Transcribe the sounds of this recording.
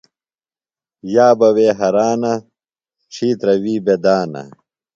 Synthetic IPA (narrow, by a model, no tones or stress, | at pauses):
jaːbɐweːɦɐɾaːnɐ | ʈ͡ʂʰiːt̪ɾɐwiːbed̪aːnɐ̰